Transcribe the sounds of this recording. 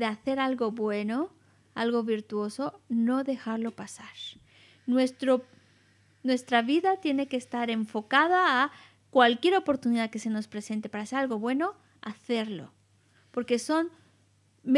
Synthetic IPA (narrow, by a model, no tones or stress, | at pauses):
deaθe̞ɾalɣo̞βwe̞no̞ | alɣo̞βiɾt̪uo̞so̞no̞ðe̞xaɾlo̞pasaɾ | nwest̪ɾo | nwe̞st̪ɾaβiðat̪je̞ne̞keːst̪aɾe̞ɱfo̞kað̞aː | kwalkje̞ɾo̞po̞ɾt̪uniðaðke̞se̞no̞spɾe̞se̞nt̪e̞paɾaseɾalɣo̞βwe̞no̞ | aθe̞ɾlo̞̰ | po̞ɾke̞so̞n | m